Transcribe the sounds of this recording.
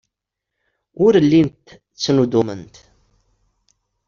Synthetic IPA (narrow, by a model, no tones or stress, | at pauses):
ʊɾəlːint̪ | t͡sːnud̪umə̰nt̪